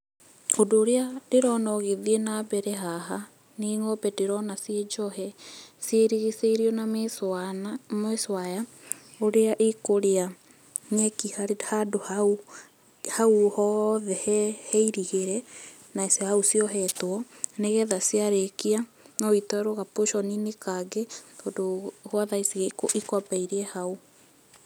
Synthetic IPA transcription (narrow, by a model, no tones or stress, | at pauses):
odoːɾeadeɾɔnɔɣeðienabɛɾɛɦaɦa | neŋɔbɛdeɾɔnasjed͡ʒɔhɛsjeɾiɣeseiɾiɔnas | meswaja | oɾeaʔekoɾea | ɲɛkihaɾehadoha | hauhɔðɛhɛhɛiɾiheɾɛ | nasehausiɔɦɛtwɔneɣɛðasiaɾekianɔitɔɾoɣapoʃɔninekaɡetodohwaðaisiɣekoʔikwapaiɾiɛhau